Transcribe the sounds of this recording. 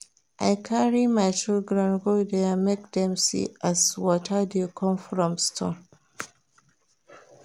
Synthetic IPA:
ʔajkʰaɹimajt͡ʃɪlɡɹə̃nɡodeamek̚dɛ̃msḭazwɔtʰadekʰɔ̃nfɹɔ̃mstʰɔ̰̃n

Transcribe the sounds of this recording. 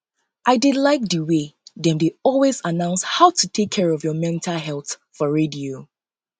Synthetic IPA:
ʔaɪdɪdlaɪk̚dəweðɛ̃mdeɔlwezanãʊ̃nshaʊtʰutʰekʰːɛɹɔvjɔmɛ̃ntʰalɦɛlˠθ | fɔɹedio

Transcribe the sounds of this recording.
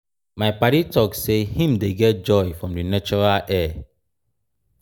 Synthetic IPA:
maɪpaɾitɔksehĩmdeɡɛt̚d͡ʒɔɪfɹɔ̃mdɨnat͡ʃɔɹalʔɛ

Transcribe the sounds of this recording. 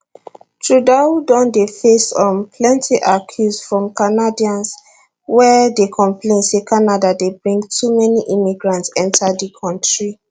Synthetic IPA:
tʰɹudaudɔ̃ndefesɔ̃npʰlɛ̃ntʰiʔakʰjusfɹɔ̃mkanadiãns | wɛdekʰɔ̃mplẽnsekʰanadadebɹĩŋɡtʰumɛniʔimiɡɹãntsɛ̃ntadəkʰɔ̃ntɹi

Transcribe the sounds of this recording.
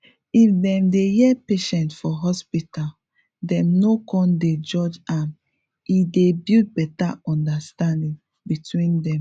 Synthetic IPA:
ifdɛ̃mdejɛpeʃɛ̃ntfɔɦɔspital | dɛ̃mnokɔ̃nded͡ʒɔd͡ʒam | idebid̚bɛtaɔ̃ndastãndĩŋ | bitwĩndɛ̃m

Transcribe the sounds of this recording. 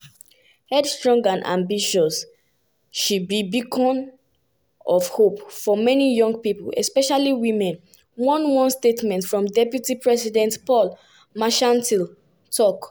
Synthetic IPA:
hɛdstɹɔ̃ŋɡãnʔã̰mbiʃɔs | ʃubibikʰɔ̃n | ɔvhopfɔmɛnijɔ̃ŋɡ̚pipəlɛ̰spɛʃaliwĩmɛ̃n | wɔ̃nwɔ̃nstetmɛ̃ntfɹɔ̃mdɛpjutipɹɛsidɛ̃ntpɔl | maʃãntil | tʰɔk

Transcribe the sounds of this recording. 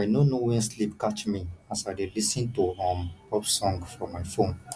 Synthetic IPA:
ajnonowɛ̃slipkat͡ʃmiasaɪdelisĩntuãmpɔpsɔ̃ŋɡfɹɔ̃mːajfõn

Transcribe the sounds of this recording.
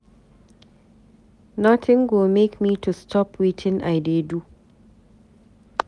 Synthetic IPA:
nɔtʰɪ̃ŋɡomekmiːtʰustʰɔpʰwitʰɪ̃nʔajdedu

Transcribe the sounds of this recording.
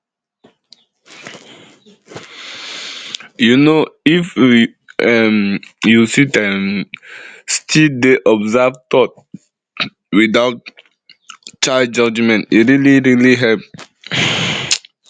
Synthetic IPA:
junoif | ɛmjusitɛm | stʰildeʔɔbzavt̪ɔt̚ | widaʊt̚ | t͡ʃaɪd̚d͡ʒɔd͡ʒmɛ̃ntiɾiliɹiliɦɛlp

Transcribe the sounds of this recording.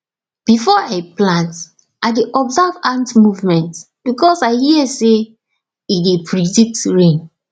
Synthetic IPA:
b̥ifɔaplãnt | ʔaɪdiʔɔbzavãntmuvmɛ̃nt | b̥ikɔsaɪhiɛse | idepʰɹiditɹẽn

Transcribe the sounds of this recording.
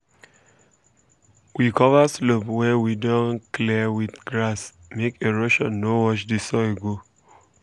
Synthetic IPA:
wikɔvaslopwɛwidɔ̃nklɛwiθɡɹas | mekeɹoʃɔ̃nːowɔʃdisɔeɡo

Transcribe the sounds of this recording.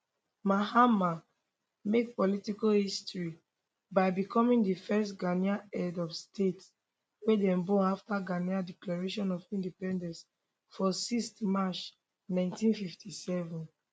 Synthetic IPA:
mahama | mek̚pɔlitikohistɹi | baɪbikɔmĩŋdifɛstɡaniaɛdɔfstʰets | wedɛ̃mbɔaftaɡaniadɛklaɹeʃɔ̃nɔvĩndipɛ̃ndɛ̃ns | fɔsistmat͡ʃ | nãɪ̃ntĩnfiftisɛvɔ̃n

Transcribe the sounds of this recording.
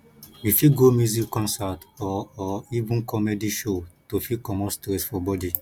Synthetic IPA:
jifitɡomjuzikːɔ̃nsatɔːivũnkʰɔmediʃotofikɔmɔstɾɛsfɔbɔdi

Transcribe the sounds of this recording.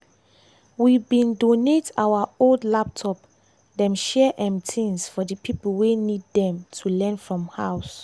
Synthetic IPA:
wibĩndonetawaoldlap̚tʰɔp | dɛ̃mʃɛʔɛ̃mtʰĩnsfɔdəpʰipəl̩wenidːɛ̃mtʰulɛ̃nfɹɔ̃mhaʊs

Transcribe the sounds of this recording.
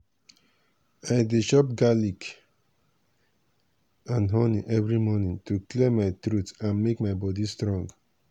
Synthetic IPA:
ajdeʃɔp̚ɡalik | ãnɦɔniʔɛvɹimɔnĩŋtuklimaɪtɾutãnmekmaɪbɔdistɾɔ̃ŋɡ

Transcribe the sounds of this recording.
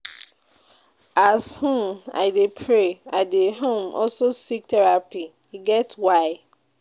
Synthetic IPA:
ashũna̰ɪdepʰɹeaɪdeɦõmʔɔ̰lsosik̚tʰɛɹapi | iɡɛtwaɪ

